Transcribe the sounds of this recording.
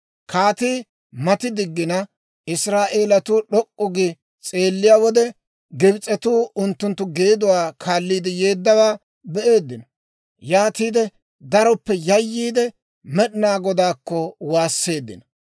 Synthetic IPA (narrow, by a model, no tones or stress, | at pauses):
kaːt̪iː | mɐt̪ɪd̪ɪɡːɪnɐ | ɪsɾaːʔe̞ːlɐt̪uːɗɔkʼːʊɡɪ | t͡sʼe̞ːlːɪjaːwɔd̪ɛ | ɡɪbt͡sʼɛt̪uːʊnt̪ːʊnt̪ːʊɡe̞ːd̪ʊwaːkʰaːlːiːd̪ɪje̞ːd̪ːɐwaː | bɛʔe̞ːd̪ːɪnɔ | jaːt̪iːd̪ɛ | d̪ɐɾɔpːɛjɐjːiːd̪ɛ | mɛɗɪnaːɡɔd̪aːkːɔwaːsːe̞ːd̪ːɪ̰nɐ